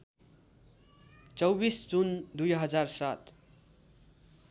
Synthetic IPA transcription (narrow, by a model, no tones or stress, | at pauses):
t͡sʌwbisd͡zund̪ujɦʌd͡zarsat̪